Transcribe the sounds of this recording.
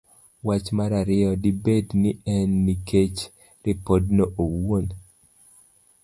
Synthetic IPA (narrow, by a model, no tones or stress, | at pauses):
wat͡ʃmaɾaɾɪɔdibednɪɛnːiket͡ʃ | ɾɪpɔdnoʔowon